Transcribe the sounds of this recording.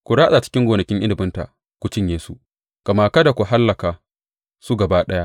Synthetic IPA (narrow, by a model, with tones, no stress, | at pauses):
kʷu˨ɽaː˦ʔɗa˨t͡ʃɪ̥˦kʲɪ˦ŋɡʷoː˨nɐ˨kʲɪ˦ŋʔɪ˦lɪ˨bɪ˦nta̰˨ | kʷʊ˦t͡ʃɪ˦ɲjeː˨˦su˦ | kɐ˨maː˨kɐ˦da˨kʷu˨ɦa˦lːɐ˨kaː˨ | su˦ɡɐ˨baː˦ɗɐ˦ja˦